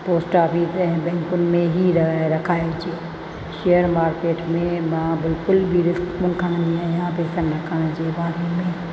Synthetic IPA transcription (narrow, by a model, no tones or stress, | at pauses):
poːsʈaːpit̪ɐɦɛ̃bɛ̃ːŋkʊn̆mẽɦiɾɾɐkʰaːed͡ʒeː | ʃeːjəɾmaːɾkeːʈmẽmãbɪlkʊlbʱiɾɪskmʊnkʰəɽ̃nĩãjãpeːsənɾɐkʰəɽ̃d͡ʑeːbaːɾemẽ